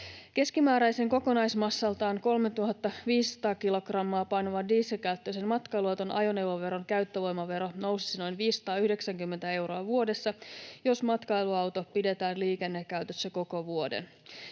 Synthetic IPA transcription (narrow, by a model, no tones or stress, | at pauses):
ke̞skimæːɾæjseŋko̞ko̞nɑjsmɑsːɑlt̪ɑːŋko̞lmet̪uɦɑt̪ːɑʋiːsːɑ̥t̪ɑːkilo̞ɡrɑmːɑːpɑjnoʋɑdiːsilkæyt̪ːøsenmɑt̪kɑjluɑt̪onʔɑ̰jo̞newʋoʋe̞ɾonkæyt̪ːøʋo̞jmɑʋe̞ɾo̞no̞wsi̥sino̞jnʋiːssːɑ̥t̪ɑːyhde̞ksæŋkymːent̪æe̞wɾo̞ɑʋuo̞de̞sːɑjosmɑt̪kɑjluɑwt̪opide̞t̪æːnliːkenːekːæyt̪øsːæko̞ko̞ʋuo̞dḛn